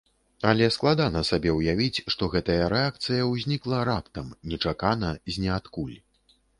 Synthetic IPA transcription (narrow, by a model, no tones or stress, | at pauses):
ɐlʲɛsklˠad̪anɐsabʲɛwjavʲit͡sʲʂt̪ɔɣɛt̪ɐjɐɾɛak̚t̪sɨjɐwzʲnʲiklˠɐɾapt̪ɐmnʲɛt͡ʂakanɐzʲnʲɛat̪kulʲ